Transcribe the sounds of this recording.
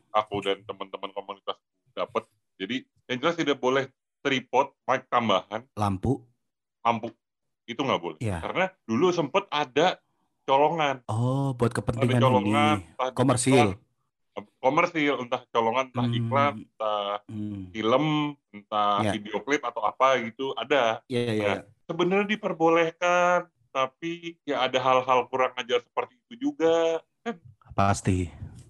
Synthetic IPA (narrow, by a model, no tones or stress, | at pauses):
ʔakudant̪əmənt̪əmənkomunit̪ast̪ud̥apət̪̚ | d͡ʒadi | jaŋd͡ʒəlast̪idaʔbolɛh | t̪ɾipɔt̪̚maɪk̚t̪ambaɦanlampu | lampu | it̪uŋɡaʔbolɛjakaɾənadulusəmpət̪ada | t͡ʃoloŋanɔbuat̪̚kəpənat̪idaŋant͡ʃoloŋant̪ahkomərsil | komərsilunt̪aht͡ʃoloŋanunt̪ahiklanunt̪a | filəmunt̪aaideoklɪp̚at̪awa̰paɡit̪uʔadajaaja | səbənərɲadipərbolehkan | t̪apijaʔːdaɦalɦalkuɾaŋad͡ʒarsə̥pərt̪iːt̪ud͡ʒuɡakanpast̪i